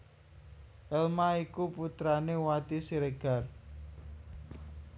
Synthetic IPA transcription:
ʔɛlmaikuput̪ɾanewat̪isiɾeɡ̥ar

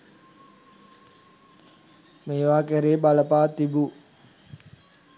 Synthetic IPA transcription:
meːʋaːkæɾeːbaləpaːt̪ibu

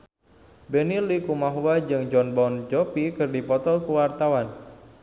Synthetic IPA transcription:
benilikumaɦuwad͡ʒɨŋd͡ʒɔnbɔnd͡ʒɔpikɨrdipɔt̪ɔlkuwart̪awan

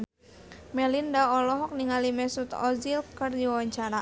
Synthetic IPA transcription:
mɛlindaɔlɔɦɔk̚niŋalimɛsut̪ɔ̰zilkərdiwawaɲt͡ʃaɾa

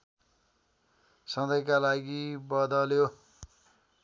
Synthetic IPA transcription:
sʌd̪ʌjkalaɡibʌd̪ʌljo

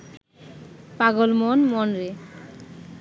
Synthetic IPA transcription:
paɡolmonmonɾe

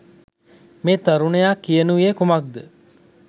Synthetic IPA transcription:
meːt̪ɐɾunəjaːkijənuʋiekumak̚d̪ə

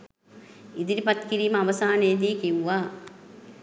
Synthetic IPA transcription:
id̪iɾipɐt̪kiɾiːmɐɐʋɐsaːnejːd̪̬iːkiwːaː

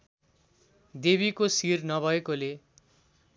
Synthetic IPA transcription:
d̪eβikosirnʌbʱʌekole

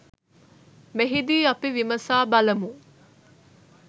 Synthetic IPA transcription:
meɦid̪iːɐpiʋimɐsaːbɐlɐmu

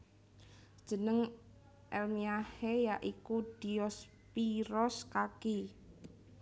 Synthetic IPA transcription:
d̥ʒ̥ə̤nəŋ | ʔɛlmiahejaʔikud̪̥i̤jɔs | piɾɔskaki

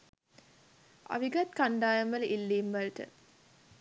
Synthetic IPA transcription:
a̰ʋiɡɐt̪kaɳɖaːjɐmɐlʔilːiːmʋɐlʈə̰

